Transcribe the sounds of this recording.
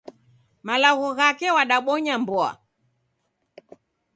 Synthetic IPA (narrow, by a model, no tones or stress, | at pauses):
malaɣɔɣakɛwaɗaɓɔɲambɔa̰